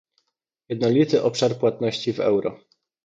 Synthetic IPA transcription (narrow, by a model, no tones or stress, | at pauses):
jɛd̪̚nɔlʲit̪ɘʔɔpʂaɾpwat̪nɔɕt͡ɕivɛ̰wɾɔ